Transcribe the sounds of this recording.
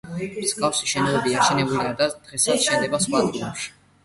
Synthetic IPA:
skʼafsiʃɛnɔɛbiat͡ʃʰɛnɛbuliad̪ad̪̥ʁɛsat̪sʃɛnd̪ɛbasχwad̪uɛpʃi̥

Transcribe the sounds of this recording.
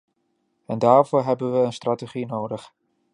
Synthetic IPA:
ɛndaːrvʊːɹɦɛbənʋəənstrateχinoːdəχ

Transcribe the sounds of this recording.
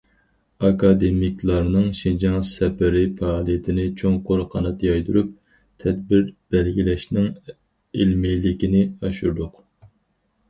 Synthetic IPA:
ɑkɑd̪emikʲlˠɑɾnɨŋʃind͡ʒɑŋsɛpɪɾɪpʰɑːlˠijɪt̪ʰɪnɪt͡ʃʰoŋqʰʊɾqʰɑnɑt̪jɑjd̪uɾup̚ | t̪ʰɛd̪̚bɪɾb̥ɛlɡʲilɛʃnɪŋ | ilmilɪkʲinɪɑʃuɾd̪ʊq

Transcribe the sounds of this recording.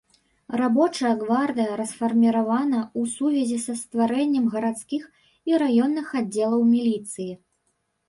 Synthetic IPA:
rabɔt͡ʂɐjɐɡvard̪ɨjɐɾɐsfɐrmʲiɾavanɐusuvʲɐzʲisɐst̪vaɾɛnʲːɐmɣɐɾat̪skʲix | iɾajɔnːɨxadd͡zʲːɛlˠɐwmʲilʲit̪sɨji

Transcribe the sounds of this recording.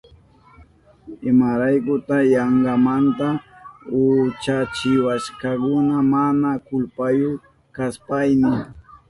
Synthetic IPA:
ɪmaɾajkʊt̪ajaɴɢɑmant̪aʊt͡ʃat͡ʃɪwaʃkakʊnamanakʊlpajʊ | kaspajnɪ

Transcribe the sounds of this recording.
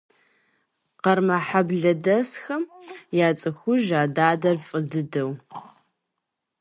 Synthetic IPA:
qɐrmɐħabɮɐdɐsxɐmjaːt͡sʼɨxʷʊʒaːdaːdɐrfʼɨdɨdɐw

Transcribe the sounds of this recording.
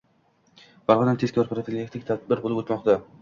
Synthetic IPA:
baɾʁɒnant̪ʰe̥kʰʲɒɾpɾofilʲːek̚t̪ɪkʲt̪ʰad̪̚bɪɾbolɪpot̪mɒqt̪a

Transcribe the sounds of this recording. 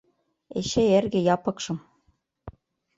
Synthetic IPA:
ḛɕeerɡɘ̆jɑpɤ̆kʃɤ̆m

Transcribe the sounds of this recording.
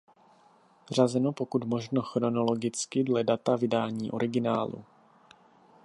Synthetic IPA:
r̝azɛnopo̞kut̪mo̞ʒno̞xɾo̞no̞lo̞ɡɪt͡skɪdlɛdat̪avɪdaːɲiːʔo̞ɾɪɡɪnaːlṵ

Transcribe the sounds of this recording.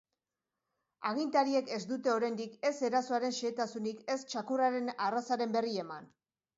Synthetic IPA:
aɣ̞int̪aɾie̞ke̞zd̪ut̪e̞o̞ɾajnd̪ike̞se̞ɾasoaɾe̞nʃe̞ːt̪asunike̞st͡ʃakuraɾe̞narasaɾe̞mbe̞rie̞man

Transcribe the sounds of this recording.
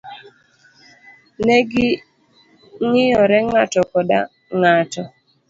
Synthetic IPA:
neɡɪ | ŋɪjɔɾɛŋatɔkɔda̰ | ŋatɔ

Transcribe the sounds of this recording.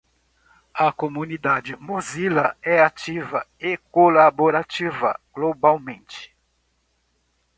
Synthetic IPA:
ɐkomunid̪ad͡ʒɪmuzilɐɛat͡ʃivɐekolaboɾat͡ʃivɐ̰ɡ̥lobawmẽnt͡ʃɪ̥

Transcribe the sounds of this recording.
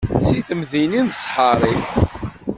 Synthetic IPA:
siθəmðininθəsˤħəɾˤiθ

